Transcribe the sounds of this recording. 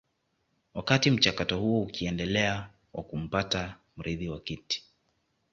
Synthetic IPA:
wakatim̩t͡ʃakatɔhuɔukiɛndɛlɛa | wʔa̰kum̩patam̩ɾiðiwakiti̥

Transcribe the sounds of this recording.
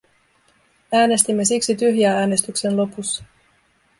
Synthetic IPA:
æːne̞st̪imːe̞siksit̪yɦjæːæːne̞st̪ykse̞nlo̞pusːɑ̥

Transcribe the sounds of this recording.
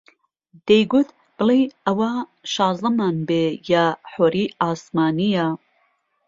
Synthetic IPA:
d̪̥ejɡut̪ | b̥ɨlijɐwaʃɑːzd̪ɐmanbejaħoɾiaːsmaːnija

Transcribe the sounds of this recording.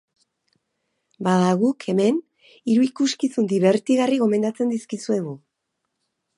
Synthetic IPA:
baðaɣukʰe̞me̞n | iɾuikuskisund̪iβe̞ɾt̪iɣariɣ̞o̞me̞nd̪at͡se̞nd̪iskisue̞ɣu

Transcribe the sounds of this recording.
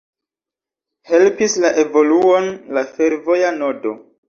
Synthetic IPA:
he̞lpislaʔe̞vo̞luo̞nlafe̞ɾvo̞jano̞do̞

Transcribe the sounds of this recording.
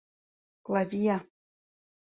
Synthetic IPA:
klˠavʲija

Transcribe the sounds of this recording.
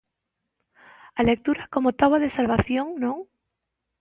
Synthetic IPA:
alek̚t̪uɾakomot̪aβaðesalβaθjoŋnõŋ

